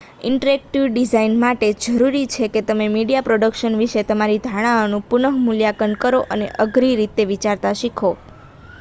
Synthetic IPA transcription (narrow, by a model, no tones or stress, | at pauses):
ɪɳʈəɾek̚ʈiʋɖizainmaʈed͡ʒəɾuɾit͡ʃʰeket̪əmemiɽijapɾoɖəkʃənʋiʃet̪əmaɾid̪ʱaɽ̃aonũpunəɦmuljakənkəɾoʔənḛʔəɡɾiɾit̪eʋit͡ʃaɾt̪aʃikʰo